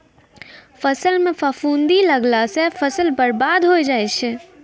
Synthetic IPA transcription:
pʰəsəlmẽpʰəfuːnd̪iləɡlasẽfʰəsəlbəɾbaːd̪ɦojd͡ʒaːjt͡ʃʰ

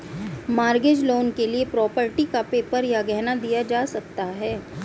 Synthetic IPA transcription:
maːɾɡed͡ʒloːnkeliepɾɔːpəɾʈikapeːpəɾjaɡɛɦnad̪ijad͡ʒaːsɐk̚t̪aɦɛː

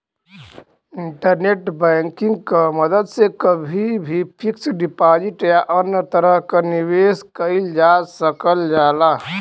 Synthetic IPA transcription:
ɪ̃ɳʈəɾneːʈbɛ̃ːŋkɪ̃ŋɡ̚kaməd̪əd̪sekəbʱibʱipʰɪksɖɪpaːd͡ʒɪʈjaʔənjət̪əɾəɦkaniʋeːskəɪld͡ʒaːsəkəld͡ʒaːlaː

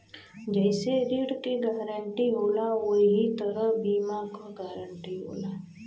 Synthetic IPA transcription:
d͡ʒɛːseɾiːɽkiɡaːɾəɳʈiɦoːlaʋoɦit̪əɾəbiːmakaɡaːɾəɳʈiɦo̰ːlaː

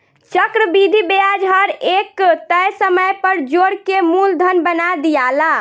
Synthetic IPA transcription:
t͡ʃəkɾəbid̪ʱibead͡ʒɦəɾekt̪əjsəməjpəɾd͡ʒoɽkemuld̪ʱənbənad̪ijala

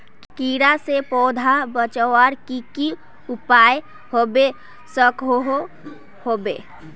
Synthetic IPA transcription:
kkiɾasepɔːd̪ʱabət͡ʃəwəɾkiki | upaj | hobe | səkɦoɦo | hobe

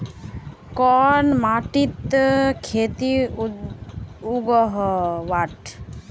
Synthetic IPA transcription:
kɔnmaːʈit̪kʰeːt̪i | uɡɔɦʋaʈ

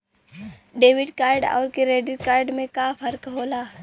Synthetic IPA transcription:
ɖeːʋɪɖkaːɾɖɔ̰ːɾkeɾeːɖɪɾkaːɾɖmẽkaːpʰɐɾkɦoːlaː

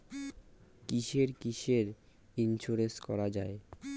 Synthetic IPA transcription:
kiʃeɾkiʃeɾ | inʃoɾeskɔɾad͡ʑae

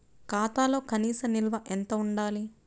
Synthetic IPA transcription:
kaːt̪aːlo̞ːkɐniːsɐnilʋɐʔent̪ɐuɳɖaːli

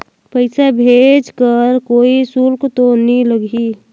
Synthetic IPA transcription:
pəɪsabʱed͡ʒkəɾkoːisulkt̪oniləɡʱi

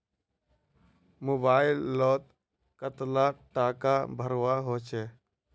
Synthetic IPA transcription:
moːbaːɪlːɔːt̪ | kət̪laʈaːkabʱəɾwaɦoːt͡ʃʰɛː

